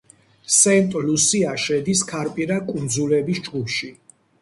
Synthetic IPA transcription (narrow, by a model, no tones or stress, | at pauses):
sɛnt̪ʼlusiaʃɛd̪iskʰaɾpʼiɾakʼund̪zulɛbisd͡ʒɡupʰʃi